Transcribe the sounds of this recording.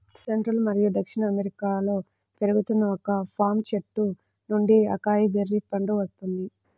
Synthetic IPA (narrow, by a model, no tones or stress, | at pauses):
seɳʈɾɐlmɐɾijud̪ɐkʂiɳɐːmeɾikaːlo̞ː | pe̞ɾuɡut̪unːɐɔkɐpʰaːɾmt͡ʃeʈːu | nuɳɖiɐ̰kaːjibʱeɾːipɐɳɖuʋɐst̪und̪i